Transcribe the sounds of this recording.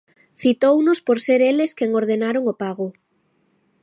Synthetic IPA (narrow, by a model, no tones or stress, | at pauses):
θit̪ownʊspoɾseɾeleskeŋoɾðenaɾoŋopaɣʊ